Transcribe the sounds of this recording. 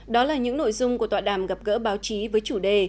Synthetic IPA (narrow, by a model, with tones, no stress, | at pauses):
ɗɔ˨˦laː˨˩ɲɨ̰˧˥ŋno̰˧˨jzʊ˧ŋ͡mku˧˩ət̪waː˧˨˩ɗaː˧˩mɣa˨˩p̚ɣə̰ː˧˥ɓaː˨˦wt͡ɕi˨˦vəː˨˦jt͡ɕu˧˩ɗe˧˩